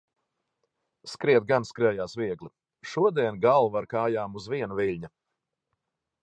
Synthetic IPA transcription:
skɾiɛt̪̚ɡanskɾɛjaːsviɛɡlˠi | ʃuɔd̪iɛnɡalˠvaɾkaːjaːmuzviɛnɐvilʲɲɐ

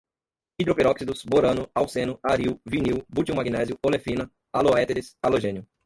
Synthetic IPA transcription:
id̪ɾopeɾɔksid̪ʊsboɾɐ̃nʊawsẽnʊaɾiwviniwbut͡ʃiuwmaɡinɛziʊolefĩnɐ | aloɛt̪eɾɪsaloʒẽnjʊ

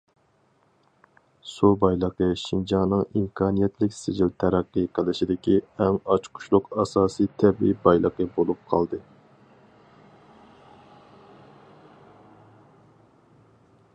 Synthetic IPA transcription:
subɑjlˠəqəʃind͡ʒɑŋnɨŋimkʰɑːnijɛt̪ʰlɪkʲsɪd͡ʒilt̪ʰæɾɛqːɨqʰəlˠɪʃid̪ɪkʲiɛmɑt͡ʃqʰʊ̥ʃlˠʊqɑsɑːsit̪ʰɛbḭbɑjlˠəqəbolˠup̚qʰɑlˠd̪ɨ

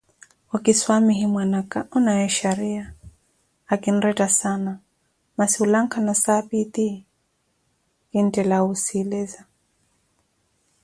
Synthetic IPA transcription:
ɔkiswamiɦimwanakaʔɔnajɛʃaɾiaː | kin̩ɾɛtasana | masiulaŋkʰanasapit̪i | kin̩tɛlausilɛza

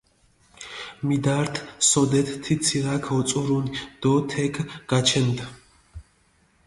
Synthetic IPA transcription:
mid̪aɾt̪ʰsɔd̪ɛt̪ʰt̪ʰit̪sʰiʁakʰɔt͡s̪ʼɔɾund̪̥ɔt̪ʰɛkʰɡ̥at͡ʃʰɛnd̪

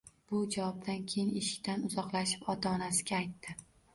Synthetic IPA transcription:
b̥ʊd͡ʒavɒb̚d̪ankʲʰe̞jɪne̞ʃɪ̥kʲt̪ʰanʊzɒqlaʃɪ̥pɒt̪ʰaːnasɪɡʲaːjt̪ʰːɪ

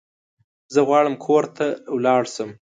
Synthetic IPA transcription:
zəɣwɑɽəmkʰoɾt̪ʰawlɑɽsəm

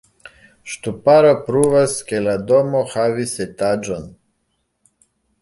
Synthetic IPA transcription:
ʃt̪upaɾapɾuvaskelad̪omɔxaviset̪ad͡ʒon

